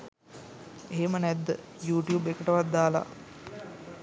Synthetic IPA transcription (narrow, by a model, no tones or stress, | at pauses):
eɦemənæd̪ːə | juːʈijuːbekəʈəʋat̪̚d̪aːla̰